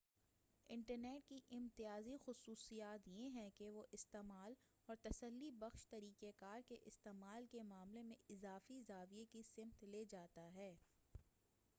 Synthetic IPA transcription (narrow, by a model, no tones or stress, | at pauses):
ɪ̃ɳʈəɾneːʈkiʔɪ̃mt̪ɪjaːzixʊsuːsijaːt̪jeɦɛ̃keʋoʔɪst̪eːmaːl | ɔːɾt̪ɐsəlːibɐxʃt̪ɐɾiːkekaːɾkeʔɪst̪eːmaːlkemaːmlemẽɪzaːfiɪzaːʋiekisɪmt̪leːd͡ʒaːt̪aɦɛː